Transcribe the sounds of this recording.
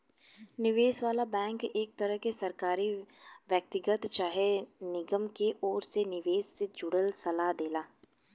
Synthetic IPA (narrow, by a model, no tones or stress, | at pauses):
nɪʋeːsʋaːlabɛ̃ːŋkeːk̚t̪ɐɾəɦkesɐɾkaːɾiʋjək̚t̪ɪɡət̪t͡ʃaːɦenɪɡəmkeʔɔːɾsenɪʋeːsːed͡ʒʊɽəlsɐlaɦd̪eːlaː